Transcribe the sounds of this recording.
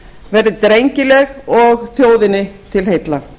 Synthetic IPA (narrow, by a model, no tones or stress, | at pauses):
vɛɾðɪt̪ɾejɲcɪlɛɣɔɣθjoːwðɪnːɪt̪ʰɪlɦejt̪la